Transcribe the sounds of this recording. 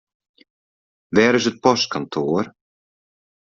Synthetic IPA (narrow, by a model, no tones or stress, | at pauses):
vɛːɾɪsʏt̪̚pɔskant̪ʰɔːɾ̥